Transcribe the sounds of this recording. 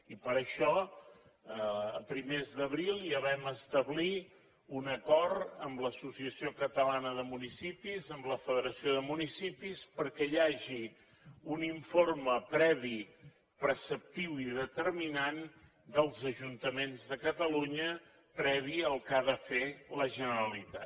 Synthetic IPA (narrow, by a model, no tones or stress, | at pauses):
ipəɾəʃɔ | əpɾimezðəβɾilˠiəβɛməst̪əβli | unəkɔɾt̪əmləsusiəsiokət̪əlanəðəmunisipizəmbləfəðəɾəsioðəmunisipispəɾkɛjaʒi | uniɱforməpɾɛβ̞i | pɾəsəp̚t̪iwiðət̪əɾminan | d̪əlˠzəʒunt̪əmenzðəkət̪əluɲə | pɾɛβ̞iəlˠkaðəfeləʒənəɾəlit̪at̪